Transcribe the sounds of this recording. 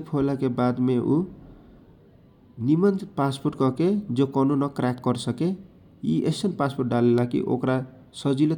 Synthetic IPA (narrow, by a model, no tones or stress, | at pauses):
pʰolakebad̪meʔu | nimʌnpasporʈkʌked͡zokʌnunʌkrakɡʌɾsʌke | ḭʔesʌnpasporʈ̚ɖalelakḭʔo̰kɾa | sʌd͡zile